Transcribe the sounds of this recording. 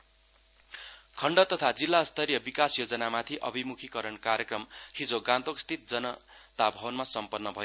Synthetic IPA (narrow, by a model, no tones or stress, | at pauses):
kʰʌɳɖʌt̪ʌt̪ʰad͡zilːast̪ʌɾjʌbikasjod͡zʌnamat̪ʰiʔʌ̰bʱimukʰikʌɾʌnkaɾjʌkrʌmhid͡zoɡãnt̪okst̪ʰit̪̚d͡zʌnʌ | t̪abʱʌbʌnmasʌmpʌrnːʌbʱʌjo